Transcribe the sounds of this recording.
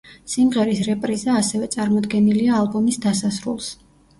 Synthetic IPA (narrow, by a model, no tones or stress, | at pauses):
simʁɛɾisɾɛpʼɾizaːsɛvɛt̪sʼaɾmɔd̪ɡɛniliaːlˠbɔmisd̪asasɾṵlˠs